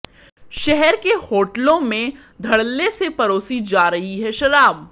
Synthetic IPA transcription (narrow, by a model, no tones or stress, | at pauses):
ʃɛɦɛɾkehoːʈlõmẽ | d̪ʱɐɽlːesepɐɾoːsid͡ʒaːɾɐɦiɦɛʃɐɾaːb̚